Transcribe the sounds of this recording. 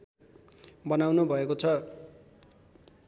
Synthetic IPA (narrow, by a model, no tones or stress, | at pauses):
bʌnawnubʱʌekot͡sʰʌ